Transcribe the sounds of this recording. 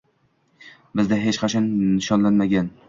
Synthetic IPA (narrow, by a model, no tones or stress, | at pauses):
bɪzd̪aɦe̞t͡ʃqʰɑt͡ʃʰɒnnɪʃɒnlanmaɡʲan